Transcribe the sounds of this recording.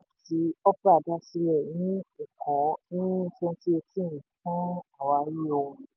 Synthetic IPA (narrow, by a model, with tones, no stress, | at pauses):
ti˨˦ɔ˦pɾa˦˨da˦si˧lɛ˦˨nĩ˦o˨kɔ̃˨˦nĩ˦˧˦fɛ̃˦ti˦e˧tĩ˦˨ĩ˨kũ˦a˦˨wa˨˧˦jõ˧